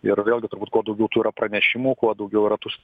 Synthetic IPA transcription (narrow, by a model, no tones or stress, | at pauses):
ɪrʋʲeːlʲˠɡʲɪt̪ʊɾbuːt̪kuɔd̪ɐʊɡʲɛʊt̪uːiɾɐpɾɐnʲɛʃʲɪmuːkuɔd̪ɐʊɡʲɛʊɪɾɐt̪us